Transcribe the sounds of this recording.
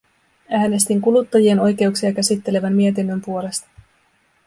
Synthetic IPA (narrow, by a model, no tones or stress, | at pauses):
æːne̞st̪iŋkulut̪ːɑjie̞no̞jk̟e̞uksiɑk̟æsit̪ːe̞le̞ʋæmːie̞t̪̬inːø̞mpuo̞le̞st̪ɑ̥